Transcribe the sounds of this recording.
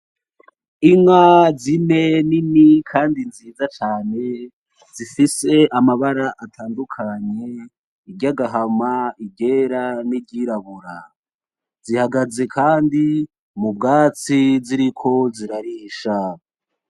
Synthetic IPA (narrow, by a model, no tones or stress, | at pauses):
iŋwazine̞ninikʰaːndinziːzat͡ʃaːne̞ | z̥ifise̞amaβaɾaʔatʰaːndukʰaɲe̞ | iɟaɡaɦamaibɟe̞ɾanibɟiːɾaβuɾa | z̥ihaɡaze̞kʰaːndi | mub̚ɡaːt͡siziɾikʰo̞ziɾaɾiːʃa